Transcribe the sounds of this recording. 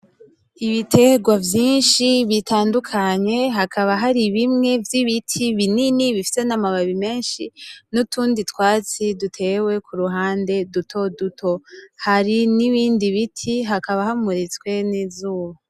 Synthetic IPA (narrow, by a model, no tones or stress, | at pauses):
iβitʰe̞ɡwavjiːnʃiβitʰaːndukʰaɲe̞ɦakʰaβaɦaɾiβimŋe̞vjiβitʰiβininiβifi̥se̞namaβaβime̞ːnʃḭnutuːnditwaːt͡sidutʰe̞we̞kʰuɾuɦaːnde̞dutʰo̞dutʰo̞haɾiniβiːndiβitʰiɦakaβahamuɾit͡skwe̞nizuːwo